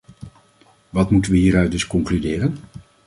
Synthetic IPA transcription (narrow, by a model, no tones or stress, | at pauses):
ʋɑtmutənʋəɦiːɾœɥ̚dɵskɔŋklydɪːrən